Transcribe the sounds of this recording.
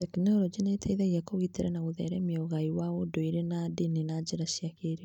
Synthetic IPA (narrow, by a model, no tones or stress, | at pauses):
ɛkinɛoɾɔd͡ʑenetʰɛiðɛɣiɛkoɣiteɾɛnaɣoðɛ̰ɾɛmiɔɣaiwaodoiɾenadininad͡ʑeɾaʃiakeɾe